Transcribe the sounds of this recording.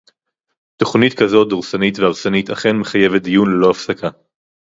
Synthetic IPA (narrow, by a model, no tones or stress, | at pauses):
to̞χnitkazo̞t̚d̪oʁsanitveaʁsanitaχenme̞χaje̞vet̚d̪ijunlelo̞afsakʰa